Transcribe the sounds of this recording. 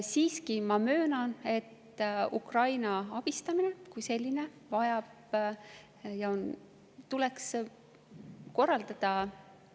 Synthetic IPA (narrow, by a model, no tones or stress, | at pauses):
siːskimɑmø̞ːnɑne̞t̪ː | ukrɑjnɑɑb̥ist̪ɑmine̞kujse̞lʲːine̞ | vɑjɑb̥ | jɑo̞n | t̪ule̞ks | ko̞rːɑld̪ɑd̪̥ɑ